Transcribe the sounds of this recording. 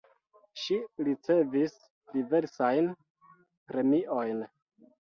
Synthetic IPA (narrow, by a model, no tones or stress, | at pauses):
ʃiɾit͡se̞vis | dive̞ɾsajn | pɾe̞miʔo̞jn